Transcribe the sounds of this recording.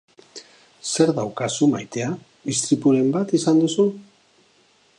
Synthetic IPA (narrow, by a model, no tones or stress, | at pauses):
se̞ɾðawkasumajt̪e̞a | ist̪ɾipuɾe̞mbat̪isand̪usu